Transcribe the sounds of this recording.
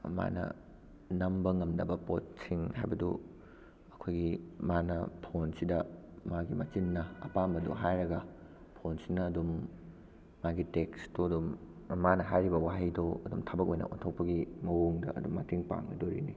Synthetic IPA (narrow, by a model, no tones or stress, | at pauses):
ma̰nɐ̰ | nɐmbɐŋɐmdɐbɐpot̚siŋhajbɐdṵ | ɐkʰojɡimanɐpʰonsidɐmaɡimɐt͡ʃinːɐɐpambɐdṵɦajɾɐɡɐ | pʰonsinɐːdumː | aɡitekstoɐdumː | anɐɦajɾibɐwaɦijdoɐdumtʰɐbɐk̬̚ojnɐ̰ʔontʰok̚pɐɡimɐwoŋdɐ̰ɐ̰dumːɐtiŋpa̰ŋnɐdoɾini